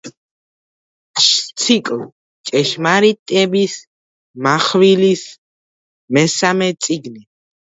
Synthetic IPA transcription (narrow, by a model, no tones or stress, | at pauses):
ʃt̪sʰikʼl | t͡ʃʼɛʃmaɾit̪ʼɛbis | maχwilis | mɛsamɛt̪sʼiɡni